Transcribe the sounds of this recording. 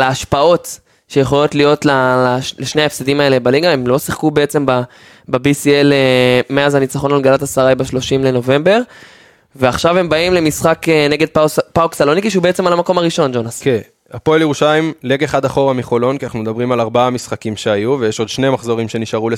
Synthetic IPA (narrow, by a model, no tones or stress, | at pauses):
leaʃpao̞t | ʃejeχo̞lo̞tlijo̞tlalaleʃne̞aefsed̪imae̞le̞baliɡae̞mlo̞siχkubeet͡se̞mba | bebisielemeazanit͡saχo̞nalɡalatasaʁajbeʃlo̞ʃimle̞no̞ve̞mbe̞ʁ | veaχʃave̞mbaimle̞misχakene̞ɡe̞d̪̚ppaoksalo̞nikiʃeubeet͡semalamako̞maʁiʃo̞nd͡ʒo̞nasken | apoljeʁuʃajmleɡeχad̪aχo̞ʁamiχo̞lo̞nkianaχnumed̪abʁimalaʁbaamisχakimʃeajuvejeʃo̞d̪ʃnemaχzo̞ʁimʃe̞niʃaʁule